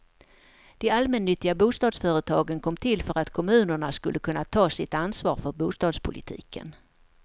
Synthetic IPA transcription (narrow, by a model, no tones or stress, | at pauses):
d̪̥ɛalmɛnːʏt̪ːɪɡabuːst̪ɑːd̪sfœːɾət̪ʰɑːɡənkʰɔmːt̪ʰɪlfœɾat̪kʰɔmʉ̟ːnəɳaskɵlːəkʰɵnːat̪ʰɑːsɪt̪ansvɑ̰ːɾfœɾbuːst̪ɑːd̪spʰʊlɪ̰t̪ʰḭːkʰə̰n